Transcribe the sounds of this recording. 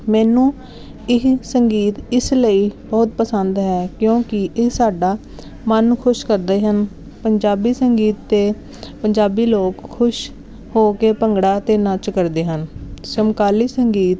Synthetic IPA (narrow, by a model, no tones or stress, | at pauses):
mɛːnũː | ɪksəŋɡiːt̪ɪsləiːbɔːt̪̚pəsənd̪ɦɛːkjõːkɪʔɪsaːɖaː | mənkʰʊʃkəɾd̪eːɦən | pəɲd͡ʒaːbiːsəŋɡiːt̪ːeː | pəɲd͡ʒaːbiːloːkkʰːʊʃ | hoːkeːpəŋɡɽaːt̪eːnət͡ʃkəɾd̪eːɦənt͡ʃəmkaːliːsəŋɡiːt̪